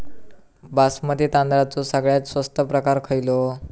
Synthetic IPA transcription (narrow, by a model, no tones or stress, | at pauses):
basmət̪it̪ãnd̪ɾat͡sosəɡɭjat͡ssʋəst̪əpɾəkaɾkʰəjlo